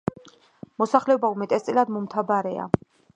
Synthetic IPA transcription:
mɔsaχlɛɔbaumɛt̪ʼɛst̪sʼilad̪mɔmt̪ʰabaɾɛa̰

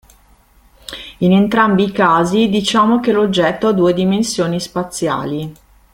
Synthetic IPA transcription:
inent̪ɾambikaːzid̪it͡ʃaːmokelod͡ʒːɛt̪ːoad̪ːuːed̪imensjoːnispat̪sːja̰ːli

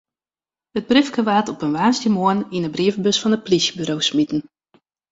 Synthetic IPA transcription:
ət̚bryfkəʋaːtɔpənʋaːnstjəmoəninəbriəfbøsfɑnəplisbyɾowsmitn̩

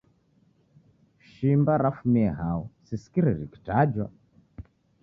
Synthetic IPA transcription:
ʃimbaɾafumiɛɦaɔsisi̥kiɾiɾiki̥tad͡ʒwa

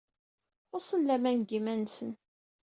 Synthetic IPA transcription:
osˤənlæmænɡimænsən

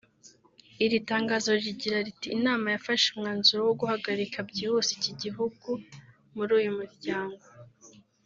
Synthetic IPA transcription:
iɾitaːŋɡaːzo̞ɾɾiɟiɾaɾitiːnaːmajafaʃumŋaːnzuɾowoɡuhaɡaɾikʰabɟihusiciɟiɦuɡ̥u | muɾuːjumuɾɟaːŋɡo

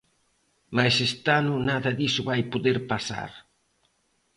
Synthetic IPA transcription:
majsest̪anʊnaðɐðisʊβajpoðeɾpasa̰ɾ

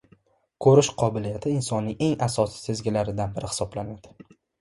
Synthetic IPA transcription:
kʰɵɾɪʃqʰɒbɪlijat̪ʰɪɪnsɒnːɪŋʔe̞ŋasɒsɪ̥sʰe̞zɡʲɪlaɾɪd̪anbɪɾɪhɪ̥sɒblanad̪̥ɪ

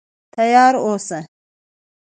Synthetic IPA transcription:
t̪ɐjɑːɾosɐ

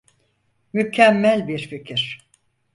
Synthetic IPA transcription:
mycʰɛmːælʲbiɾficʰiɾ̥

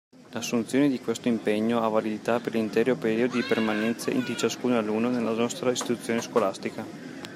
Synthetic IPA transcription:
lasːunt̪sjoːned̪ikwest̪oimpeɲːoavalid̪it̪apeɾlint̪ɛːɾopeɾiːod̪od̪ipermanɛnt̪seʔd̪it͡ʃaskuːnalunːonelːanɔst̪ɾaist̪it̪ut̪sːjoːneskolast̪ika

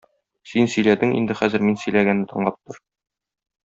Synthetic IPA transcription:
sinsɵ̆jlæd̪ɘŋḭnd̪ɘχæzɘɾminsɵ̆jlæɡænːɘt̪ʰɤ̆ɴlˠɑp̚t̪ɤɾ

